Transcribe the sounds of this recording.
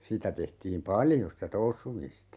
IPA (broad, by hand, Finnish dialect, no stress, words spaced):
sitæ tehtiːm pɑljo sitæ tousːumistɑ